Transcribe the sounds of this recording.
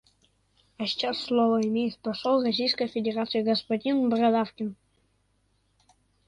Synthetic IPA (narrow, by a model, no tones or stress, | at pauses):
aɕi̥t͡ɕasːlˠovɐimʲejt̪ʲpɐʂolˠrɔsʲijskəjfʲedʲerat̪sɨjəɡɐspɐdʲinbrɐd̪afkʲɪn